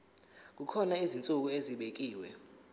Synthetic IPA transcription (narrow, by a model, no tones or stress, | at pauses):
k̬ukʰɔnaizint͡sʼuk̬ueziɓek̬iːwɛ